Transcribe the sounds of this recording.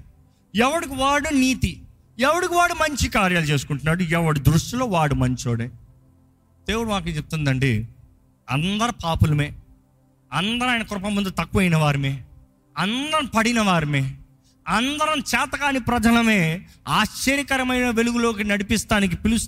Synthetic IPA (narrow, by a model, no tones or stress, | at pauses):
ɛʋɐɽikuʋaːɽuniːt̪i | ɛʋɐɽikiʋaːɽumɐɲt͡ʃikaːɾjaːlt͡ʃe̞ːs̬u̥kuɳʈunːaːɽuɛʋɐɽud̪ɾuʂʈɐlo̞ːʋaːɽumɐɲt͡ʃoːɽe | d̪̥eːwuɽumaːk̬et͡ʃep̚t̪und̪ɐɳɖḛː | ɐnd̪ɐɾɐpaːpulɐmeː | ɐnd̪ɐɾaːjnɐkɔɾɐpɐmːund̪ut̪ɐkːuɐjnɐʋaːɾimeː | ɐnd̪ɐɾɐmpɐɽinɐʋaːɾimeː | ɐnd̪ɐɾɐmt͡ʃɛːt̪ɐɡaːnipɾɐd͡ʒɐlɐme̞ː | aːʃt͡ʃɐɾikɐɾɐmɐjnɐʋeluɡulo̞ːk̬inɐɽipist̪aːnik̬ipilus